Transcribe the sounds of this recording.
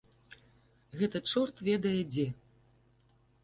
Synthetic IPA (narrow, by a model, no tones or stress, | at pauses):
ɣɛt̪ɐt͡ʂɔrt̪vʲɛd̪ɐjɛd͡zʲɛ